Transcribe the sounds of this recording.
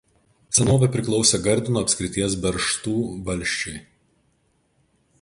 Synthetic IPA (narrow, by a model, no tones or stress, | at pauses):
t̪sʲɛnoːʋʲɛˑpʲɾʲɪklˠɒʊsʲɛɡɐɾʲd̪ʲɪnuːɐpʲsʲkʲɾʲɪt̪ʲiɛs̬bʲɛɾʃt̪uːʋɐlʲʃʲt͡ʃʲʊɪ